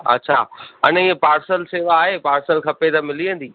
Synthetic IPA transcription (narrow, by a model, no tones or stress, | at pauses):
ɐ̰tːɕʰaːɐ̰nepaːɾsəlseːʋaaːɦepaːɾsəlkʰɐpet̪ɐmɪliə̃nd̪iː